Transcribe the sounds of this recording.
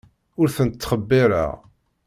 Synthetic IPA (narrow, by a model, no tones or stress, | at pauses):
ʊɾθənt̪ːχəbːɪɾa̰ʁ